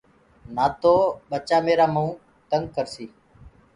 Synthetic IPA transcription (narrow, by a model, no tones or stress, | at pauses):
naːt̪oːɓət͡ʃaːmeːɾaːməũː | t̪əŋɡ̚kəɾsiː